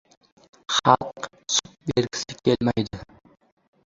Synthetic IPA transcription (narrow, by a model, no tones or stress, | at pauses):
χɑlˠq | su̥t̚beɾɡʲi̥sɪkelmæjd̪ɪ